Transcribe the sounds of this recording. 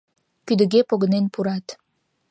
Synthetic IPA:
kyd̪ə̆ɣepoɣənenpuɾɑt̪

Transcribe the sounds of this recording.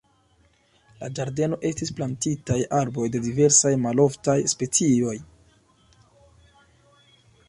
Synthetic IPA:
la̰d͡ʒaɾde̞no̞ʔe̞stisplantitajaɾbo̞jde̞dive̞ɾsajmalo̞ftajspe̞t͡sio̞j

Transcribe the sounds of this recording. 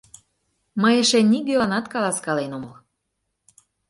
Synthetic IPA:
məjəʃeniɡeɑnɑt̪kɑlɑskɑlenoməl

